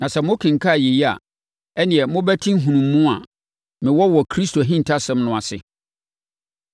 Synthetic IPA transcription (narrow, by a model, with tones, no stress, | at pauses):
nã˨sɛ˨mʊ̃˦kʰɪ̃˨ŋ̩˨kʰa˦˨je˨ji˦a̰˨ | ɛ˦nɪ̃˨ɛ˨mʊ̃˦bæ˦tʰĩ˦ŋ̩˦ɦũ˨nũ˨mːũ˦a˨ | mɪ̃˨wɔ˦wɔ˨kʰɾi˦stʰo˨ɦĩ˦n̩˨tʰa˦sɛ̃˦mnʊ̃˨a˨sɪ̰˦